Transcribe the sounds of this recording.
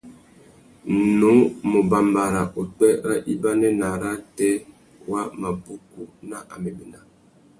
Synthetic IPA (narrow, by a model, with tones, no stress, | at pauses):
no˨˦mo˨ba˨mba˨ɾa˨ʔo˨k͡pɛ˦ɾa˦ʔi˦ba˦nɛ˦na˨ɾa˦tɛ˦ | wa˦ma˨pu˦ku˦na˦ʔa̰˨mɛ˨be˨na˨